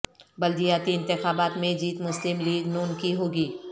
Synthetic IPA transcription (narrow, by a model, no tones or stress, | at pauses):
bɐld̪ijaːt̪iɪ̃nt̪ɪxaːbaːt̪mẽd͡ʒiːt̪mʊslɪmliːɡnuːnkiɦoːɡiː